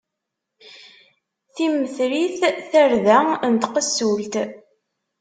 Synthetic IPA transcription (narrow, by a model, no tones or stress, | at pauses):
θiməθɾiθθæɾðæənt̪qəsult̪